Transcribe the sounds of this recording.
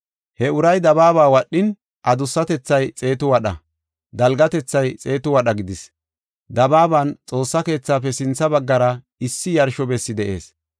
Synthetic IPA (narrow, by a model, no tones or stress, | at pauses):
hɛʊɾɐjd̪ɐbaːβaːwɐɗːɪn | ʔɐd̪ʊsːɐt̪ɛt͡sːɐjt͡sʼe̞ːt̪ʊwɐɗɐ̰ | d̪ɐlɡɐt̪ɛt͡sːɐjt͡sʼe̞ːt̪ʊwɐɗɐɡɪd̪ɪs | d̪ɐbaːbaːnt͡sʼo̞ːsːɐke̞ːt͡sːaːpɛsɪnt͡sːɐbɐɡːɐɾɐ | ɪsːɪjɐɾʃɔbɛsːɪd̪ɛʔe̞ːs